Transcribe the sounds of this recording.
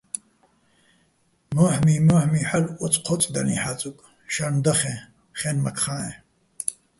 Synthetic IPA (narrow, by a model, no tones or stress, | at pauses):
məːħmiːmɐːħmiːħalɔt͡sʼqʰɔt͡sʼd̪ɐ̰nḭħat͡sʼukʼ | ʃɐnd̪ɐχɛ̃ | χɛːnmɐkʰχãːɛ̃